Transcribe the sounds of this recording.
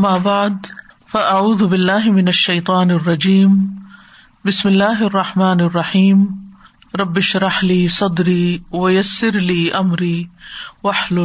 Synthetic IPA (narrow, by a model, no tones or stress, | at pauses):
ʔamːaːbaʕd̪ | faʔaʕuːðbɪlːaːɦmɪnaʃːajt̪ˤɑːnɑrˤːɑd͡ʒiːm | bɪsmɪlːaːɦʔɑrˤːɑħmaːnɑrˤːɑħiːm | ɾˤɑbːɪʃɾˤɑħliːsˤɑd̪ɾiːwɪjasːɪɾliːʔamɾiːwaħl